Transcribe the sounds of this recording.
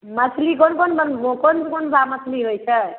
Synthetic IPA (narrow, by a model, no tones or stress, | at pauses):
mətʰlikonkonbənkonkonbʱamətʰliɦojt͡ʃʰə